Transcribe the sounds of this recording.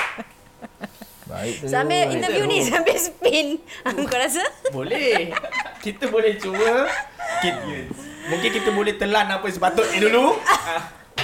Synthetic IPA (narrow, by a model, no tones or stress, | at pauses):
ba̰ḭsabeint̪əjunisampesəpinakŋkoɾas̬abolɛhkit̪əbolɛht͡ʃowəkit̪̚əmuŋkɪnkit̪əbolɛht̪əlanapəs̬əpat̪oʔidulua